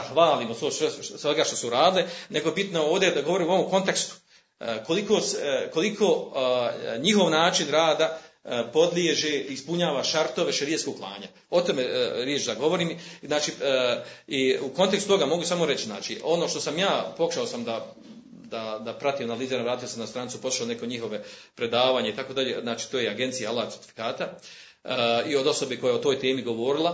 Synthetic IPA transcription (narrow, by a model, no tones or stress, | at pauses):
ahʋaːliːmososʋesʋeɡaʃt̪o̞suɾaːd̪ileneɡoebit̪noo̞ːʋd̪jed̪aɡo̞ʋo̞ɾiːmuo̞ʋomko̞nt̪e̞kst̪u̥ | ko̞likoːseko̞likʰo̞ː | ɲiho̞ʋnaːt͡ʃinɾaːd̪apo̞d̪ljeʒeːispuɲaːʋaʃaɾt̪o̞ʋe̞ʃeɾijeskoɡklˠa̰ːɲa̰ | o̞t̪omeɾjet͡ʃd̪aɡo̞ʋo̞ɾiːmznaːt͡ʃiː | iuko̞nt̪ekst̪ut̪o̞ɡamo̞ɡusamo̞ɾe̞t͡ɕiznaːt͡ʃiʔo̞no̞ːʃt̪o̞samjaːpo̞kuʃaosamd̪a | d̪ad̪apɾat̪iːmanaliːzenaʋɾaːt̪iosemnast̪ɾaːnit̪upou̥ʃaone̞ko̞ɲiɦo̞ʋe̞pɾe̞d̪aːʋaːɲeit̪ako̞ːd̪aʎḛːznaːt͡ʃi̥ːt̪oːjeaɡe̞nt̪sijaalːaːaeɾt̪i̥fi̥kaːt̪a | io̞d̪o̞so̞beko̞jajeot̪o̞ːjt̪eːmiɡo̞ʋo̞ɾilˠa